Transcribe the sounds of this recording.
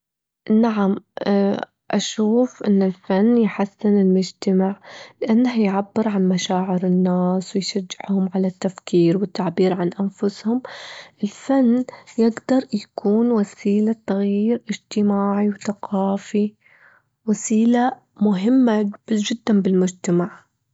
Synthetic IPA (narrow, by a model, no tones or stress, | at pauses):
naʕamː | ʔaʃuːfʔɪnːɪlfanːjħasːɪnɪlmʊd͡ʒt̪amaʕlɪʔanːahjʕabːɪɾʕanmaʃaːʕɪɾɪnːaːswɪjʃad͡ʒːɪʕhʊmʕalat̪ːafkʰiːɾwɪt̪ːaʕbiːɾʕanʔanfʊshʊmʔɪlfanːjɪɡd̪ɑɾˤjakʰuːnwasiːlat̪aɣjiːɾʔɪd͡ʒt̪ɪmaːʕiwθaqʰɑːfi | wasiːla | mʊɦɪmːabd͡ʒɪd̪ːanbɪlmʊd͡ʒt̪amaʕ